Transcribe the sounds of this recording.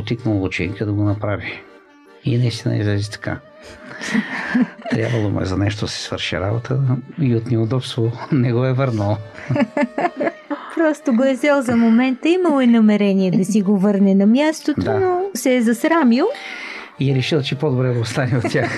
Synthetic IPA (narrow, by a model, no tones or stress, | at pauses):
ot̪iknəlˠbot͡ʃɛ̰nkəd̪ɐɡonɐpɾavi | ḭnɐist̪inə̰ḭzlɛzit̪ɐ̥ka̰ | t̪ɾʲja̰bvəlˠomṵɛ̰zɐnɛʃt̪od̪ɐsɛ̥svə̰ɾʃḭɾa̰bot̪ʰəiot̪nɛod̪ɔpst̪vonɛɡɔɛvəɾnəlˠ | pɾɔst̪oɡoɛzɛlˠzɐmomɛnt̪əimɐlˠɛnɐmɛɾɛniɛd̪ɐsiɡovɤɾnɛnɐmjast̪ot̪d̪oanosɛːzɐsɾamilˠ | iɛɾɛʃilˠt͡ʃɛpod̪obɾɛd̪ɐost̪anɛot̪ːʲax